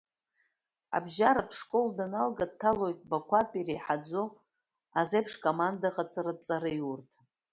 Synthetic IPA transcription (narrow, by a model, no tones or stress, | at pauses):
a̰bʒaɾatʰʂkʼoldanalɡad̚tʰːalo̞jtʼbakʷʰatʼirejħad͡zo | azepʰʂkʼomandaqʼat͡sʼarɨt͡sʼaɾɨjurtʰʼ